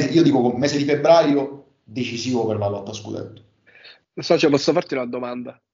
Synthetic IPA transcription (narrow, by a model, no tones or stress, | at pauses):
iːod̪iːkokomːɛːzed̪ifebɾaːjo | d̪et͡ʃiziːvopervarloat̪ːaskṵd̪ɛ̰t̪ːo̥ | losɔt͡ʃɛpɔsːofart̪iunad̪omand̪a